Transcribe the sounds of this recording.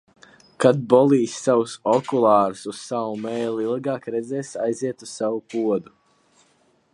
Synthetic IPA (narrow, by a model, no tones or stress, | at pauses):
kat̪̚bɔlˠiːsʲːawusɔkulˠɑːɾusussawumɛːjliilˠɡaːkɾɛd̪zɛːsajziɛt̪ussawupuɔd̪u